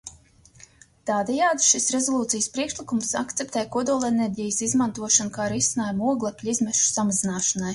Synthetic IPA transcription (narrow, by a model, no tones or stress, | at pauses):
t̪aːd̪ɛjaːd̪ʃisɾezolˠuːt̪sijəspɾiɛkʃlˠikumsa̰kt̪sʲɛp̚t̪ɛːjkɔd̪uɔlˠeneɾʲɟijəsizmant̪uɔʃankaːɾisʲinaːjumuɔɡlˠakʲlʲizmɛʃu̥samazinaːʃanaj